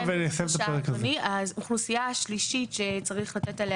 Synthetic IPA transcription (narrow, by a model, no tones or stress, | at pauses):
veniasevt̪apeʁekaiauχlusijaaʃliʃiʃet͡saʁiχlat̪etale